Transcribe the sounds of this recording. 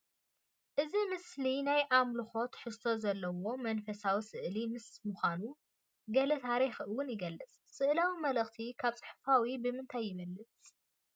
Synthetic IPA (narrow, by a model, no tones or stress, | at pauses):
ʔɨzimɨslinajʔamlɨxo̞t̪ħɨst̪ʰo̞zɐlːɐwo̞mɐnfɐsawisɨʔlimɨsmuxʷanu | ɡɐlɐt̪ʰaɾixʔɨwʊnjɪɡɐlːɨt͡sʼːɨʔlawimɐlɐxt̪ʰikʰaβt͡sʼɨħfawibɨmɨnt̪ʰajːɪβɐlːɨt͡sʼ